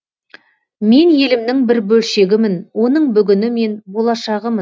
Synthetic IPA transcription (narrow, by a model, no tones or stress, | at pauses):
me̞nje̞lɪmd̪ɪŋbɪɾbɵlʃe̞ɡʲɪmɪnwo̞nəɴbʏɡʲɪnɪme̞nbo̞lˠɑʃɑʁəmən